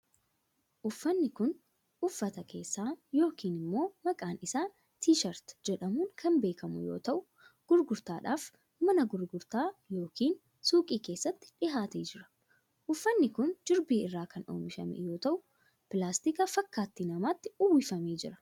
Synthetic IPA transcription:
ʔʊfːɐnːɪkʊn | ʔʊfːɐt̪ɐkʰe̞̰ːsːaːjo̞ːkiːnɪmːo̞ːmɐkʼaːnɪsaː | t̪iːʃɐɾt̪d͡ʒɛᶑɐmuːŋkʰɐnbe̞ːkɐmʊ̰jo̰ːt̪ɐʔʊ | ɡ̥ʊɾɡʊɾt̪aːᶑaːf | mɐnɐɡʊɾɡʊɾt̪aːjo̞ːkʰiːn | suːkʼiːkeːsːɐt̪ːɪ̥ᶑɪɦaːt̪eːd͡ʒɪɾɐ̥ | ʔʊfːɐnːɪkʊnd͡ʒɪɾbiːɪrːaːkɐno̰ːmɪʃɐ̰mɛ̰jo̞ːt̪ɐʔʊ | pɪlaːst̪ɪkɐfɐkːaːt̪ːinɐmaːt̪ːɪʊwːɪfɐmeːd͡ʒɪɾɐ̥

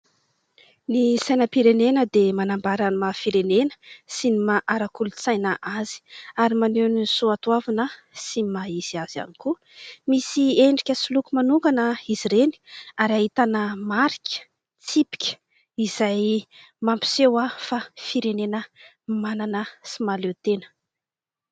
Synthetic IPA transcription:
nisajnəpiɾenenəd̪emanambaɾanmafiɾenenə̥sinimaʔaɾakulut͡sajnəʔazi̥aɾimanenisuat̪uavanə | simaiz̥iazia̰niku | misieɳɖ͡ʐikʲəsulukumanukanəiziɾeni̥aɾaɦit̪anəmaɾikʲə̥ | t͡sipi̥kʲə̥ | iz̥aj | mampi̥sewafafiɾenenə | mananəsimalewt̪enə̥

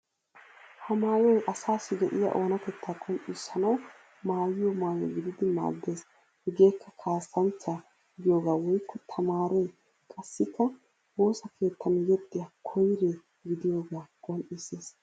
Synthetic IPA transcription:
hɐmaːjɔjʔɐsaːsɪɡɛʔɪjɐ̰ʔoːnɐk̪ɛt̪ʰːaːkʼɔnʔɪsɐnɐw | maːjɪjɔmaːjɔ̰ɡɪd̪ɪd̪ɪma̰ːɡe̞ːs | hɛɡe̞ːkʰːɐkʰaːsːɐnt͡ʃːa | ɡɪjoːɡaːwɔjkʰːɔt̪ʰɐmaːɾɛj | kʼɐsːɪkːɐ | wo̞ːsɐkʰe̞ːt̪ʰːɐnjɛt̪ʼːɪjɐkʰɔjɾe | ɡɪd̪ɪjo̞ːɡaːkʼɔnʔiseːs

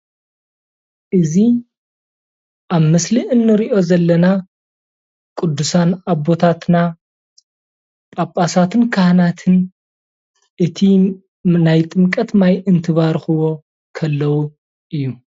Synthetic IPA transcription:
ʔɨzi | ʔaβmɨsliʔɨnːɨɾiʔo̞zɐlːɐna | kʼʊd̪ːusanaβo̞t̪ʰat̪na | pʼapʼːasat̪ʰɨnkʰahnat̪ʰɨn | ʔɨt̪ʰi | najt̪ʼɨmkʼɐt̪majʔɨnt̪ʰɨβaɾxɨwo̞ | kʰɐlːɐwu | ʔɨjːu

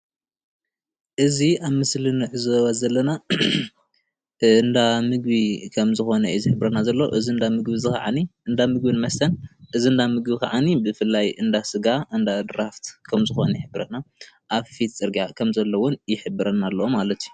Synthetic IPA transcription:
ʔɨziaβmɨslɨnɨʕɨzowazɐlːɐna | ɨnd̪amɨɡ̚bikʰɐmzɨxo̞nɐizɨħɨbɾɐnazɐlːo̰ʔɨziɨnd̪amɨɡbizɨka̰ʕa̰niɨnd̪amɨɡbinmɐst̪ʰɐnʔɨziɨnd̪amɨɡbikʰaʕanibɨfɨlːajɨnd̪asɨɡaʔɨnd̪ad̪ɾaft̪kʰɐmzɨxo̞̰nɐjɪħɨbɾɐnaʔaβfit̪t͡sʼɨɾɡakʰɐmzɐlːɐwʊnjɪħɨbːɨɾɐnalːɐwomalɐt̪ʰju

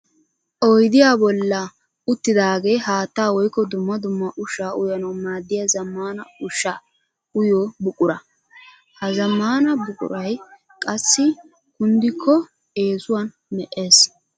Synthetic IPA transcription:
ʔɔjd̪ɪjaːbɔlːɐ | ʊt̪ːɪd̪aːɡe̞ːɦaːt̪ːaːwɔjkːɔd̪ʊmːɐd̪ʊmːɐʔʊʃaːʔʊjɐnɐwmaːd̪ːɪjɐzɐmːaːnɐʊʃːaː | ʊjoːbʊkʼʊɾɐ | hɐzɐmːaːnɐbʊkʼʊ̰ɾɐj | kʼɐsːɪ | kʊnd̪ɪkʰːɔ | e̞ːzʊwɐn | mɛʔe̞ːs

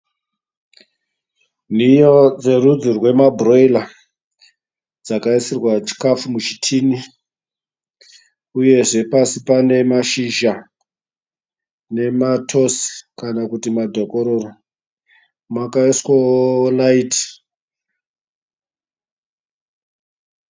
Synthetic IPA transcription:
nijod͡ze̞rud͡zirwe̞mabʱroila | d͡zakaisirwat͡ʃi̥kafumut͡ʃi̥tʰini | uje̞ʐe̞pasipane̞maʃiʒa | ne̞matʰo̞skanakutimadʱo̞koɾo̞ro | makaiswalaiti̥

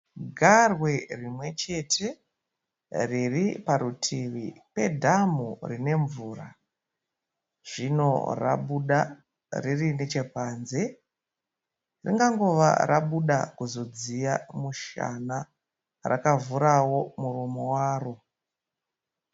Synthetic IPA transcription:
ɡʱarwe̞rimwe̞t͡ʃe̞tʰe̞ | riripaɾutʰiʋipe̞dʱamurine̞ɱvuːra | ʐ̥ino̞̰ra̰ɓuɗa | ririnet͡ʃe̞paːnze̞ | riŋɡaŋɡoʋa̰rʔa̰ɓuɗa̰kuzo̞d͡zijamuʃa̰na | ra̰kavuɾawo̞muɾomowaːro

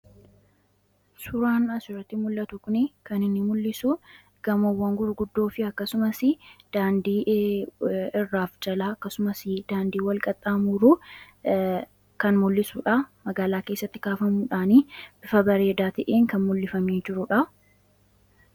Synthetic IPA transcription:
sʊɾaːnɐsʊɾɐt̪ːɪmʊlːɐt̪ʊkʊnɪkɐnɪnːɪmʊlːɪsʊ | ɡ̥ɐmowːɐŋɡʊɾɡʊd̪ːoːfɪɐkːɐsʊmɐsɪd̪̥aːnd̪iː | ɪrːaːfd͡ʒɐlaːɐkːɐsʊmɐsɪd̪aːnd̪iːwɐlkʼɐt̪ʼːaːmuːɾuː | kɐnmʊlːɪsuːᶑamɐɡaːlaːke̞ːsːɐt̪ːɪ̥kaːfɐmuːᶑaːniːb̥ɪfɐbɐɾe̞ːd̪aːt̪ɐʔeːŋkɐnmʊlːɪfɐmeːd͡ʒɪɾʊᶑɐ

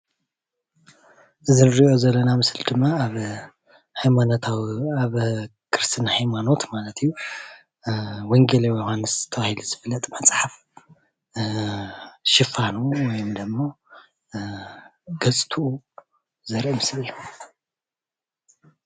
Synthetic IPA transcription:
ʔɨzinɾiʔo̞zɐlːɐnamɨsɨld̪ɨmːaβ | hajmanot̪ʰawaβ | kʰɨɾɨst̪ʰɨnhajmano̞t̪malɐt̪ʰijːu | woŋɡelewjohanːɨsz̥ɨt̪ʰɐβahiluzɨβɨlɐt̪ʼmɐt͡sʼħaf | ʃɪfanuwɔjumd̪ɨmːo̞ | ɡ̥ɐt͡sʼt̪ʰuu | zɐɾʔimɨslɨjːu

